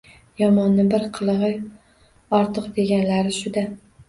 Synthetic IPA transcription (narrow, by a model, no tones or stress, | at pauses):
jɒmɒnːɪbɪɾqʰɨlˠɨʁɨ | ɒɾt̪ʰɨqd̪e̞ɡʲanlaɾɪʃʊd̪a